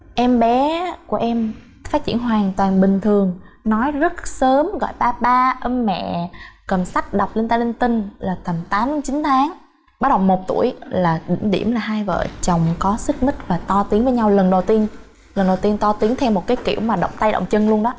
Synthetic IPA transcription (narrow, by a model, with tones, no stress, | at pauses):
ʔɛ˧mɓɛ˨˦ku˧˩əʔɛ˧m | faː˦˥t̚t͡ɕi˧˩ənɦwaː˨˩ŋt̪waː˨˩nɓï˨˩ŋ̟t̪ʰɨ˨˩əŋnɔ˨˦jzə˦˥t̚səː˨˦mɣɔ̰˧˨jɓaː˧ɓaː˧ʔə˧nmɛ̰˧˨kə˨˩msa˦˥jk̚ɗa˨˩wk͡p̚le˧nt̪aː˧jli˧nt̪ï˧ŋ̟laː˨˩t̪ə˨˩mt̪aː˨˦mɗɨ˨˦t͡ɕi˨˦nt̪ʰaː˨˦ŋ | ɓaː˨˦˥ɗə˨˩wmo˨˩t̚t̪ṵ˧˩əjlaː˨˩ɗï˧˩ŋ̟ɗḭ˧˩əmlaː˨˩ɦaː˧jvə̰ː˧˨t͡ɕə˨˩wŋ͡mkɔ˨˦sɨ˦˥k̚mï˦˥k̚vaː˨˩t̪ɔ˧t̪i˨˦əŋvəː˨˦ɲa˧wlə˨˩nɗə˨˩wt̪i˧ən | lə˨˩nɗə˨˩wt̪i˧ənt̪ɔ˧t̪i˨˦əŋt̪ʰɛ˧wmːo˨˩t̚kaː˨˦jkḭ˧˩əwmaː˨˩ɗə̰˧˨wŋ͡mt̪a˧jɗə̰˧˨wŋ͡mt͡ɕə˧nlu˧ənɗɔ˨˦